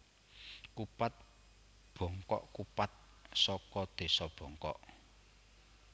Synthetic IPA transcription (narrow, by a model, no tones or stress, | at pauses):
kupat̪̚ | b̥ɔ̤ŋkɔ̰ʔkupat̪̚ | sɔkɔd̪̥e̤sɔb̥ɔ̤ŋkɔ̰ʔ